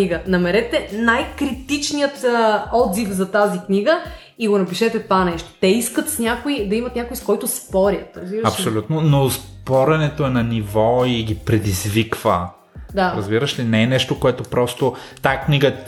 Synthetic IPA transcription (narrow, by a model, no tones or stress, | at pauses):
iɡənɐmɛɾɛt̪ɛnajkɾit̪it͡ʃnijət̪ːɔd̪zifzɐt̪azikniɡə | iɡonɐpiʃɛt̪ɛt̪ovanɛʃt̪o̥t̪ɛiskət̪snʲakoid̪ɐimɐt̪nʲakojskɔjt̪ʊspɔɾʲət̪ɾɐzbiɾəɐʃpsolʲut̪nonospɔɾɛnɛt̪oɛnɐnivɔiɡʲipɾɛd̪izvikv̥ə | d̪aɾɐzbiɾəʃlinɛːnɛʃt̪okoɛt̪opɾɔst̪ot̪akniɡə